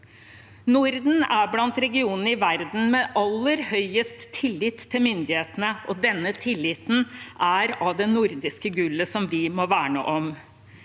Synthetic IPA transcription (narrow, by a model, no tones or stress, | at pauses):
nʊɾd̪n̩æɾblɑnt̪ɾɛɡɪuːnənəɪʋæɾd̪n̩mɛɑlːəɾhœʏəst̪ʰːɪlːɪt̪ʰːɪlmʏnd̪ɪheːt̪ənəʔɔd̪ɛnːət̪ʰɪlːɪt̪n̩ʔæɾɑʋd̪ɛnnʊɾd̪ɪskəɡʉlːəsɔmʋɪmɔʋæːɳə̰ʔɔm